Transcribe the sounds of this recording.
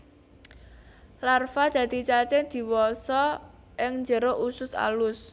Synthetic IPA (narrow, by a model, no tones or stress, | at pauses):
larfad̪̥ä̤d̪̥it͡ʃat͡ʃɪŋd̪̥i̤wɔsɔ | ʔɪŋnd͡ʒəɾoʔusʊsa̰lʊs